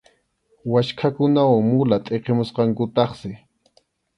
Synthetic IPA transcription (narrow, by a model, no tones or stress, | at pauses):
waʃkʰakʊnawaŋmʊlat̪ʼeqemʊsqɑŋkʊt̪ɑχsɪ